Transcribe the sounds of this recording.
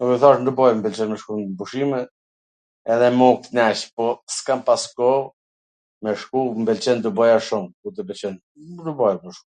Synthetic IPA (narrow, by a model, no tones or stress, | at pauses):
ukɛθaʃnd̪ubɔjmbɛlt͡ʃɛnmɛʃkubuʃimɛ | ɛðɛmɔk̚t̪nɛʃpɔskampaskɔ | mɛʃkumbɛlt͡ʃɛnd̪ubɔjaʃumkut̪ɛbɛt͡ʃɛn | d̪ubɔjamɛʃum